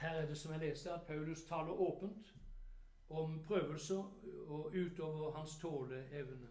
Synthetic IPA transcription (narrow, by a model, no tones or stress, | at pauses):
hæːʁæd̪ɛsɔmjæɪleːsəɑt̪̚pʰɑʉlʉst̪ʰɑːləɾoːpənt̪ | ɔmpʰʁøːʋəlsəɾɔʉːt̪oːʋəʁɦɑnst̪ʰoːləɛʋnə